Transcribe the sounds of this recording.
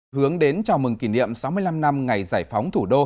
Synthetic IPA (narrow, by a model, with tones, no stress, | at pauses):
hɨ˨˦əŋɗe˨˦nt͡ɕɔ˧˩mɨ˨˩ŋki˧˩nḭ˧˨əmsa˨˦wmɨ˧əjla˧mna˧mŋa˨˩jzaː˧˩jfa˨˦wŋ͡mt̪ʰu˧˩ɗo˧